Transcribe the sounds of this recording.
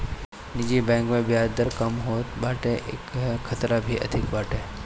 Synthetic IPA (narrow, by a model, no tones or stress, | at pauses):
nɪd͡ʒibɛ̃ŋkmẽbɪjad̪əɾkəmɦoːt̪baːʈeʔḛkkʰːət̪ɾabʱiʔə̰d̪ʱɪkbaːʈe